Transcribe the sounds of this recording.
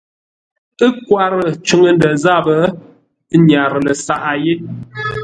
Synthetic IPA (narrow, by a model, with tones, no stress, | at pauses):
ə˦kwa˦ɾə˨t͡ʃʉ˦ŋə˦ndə˨za˦˨bə˨˦ | ɲa˨ɾə˨lə˨sa˦˨ʔa˨je˦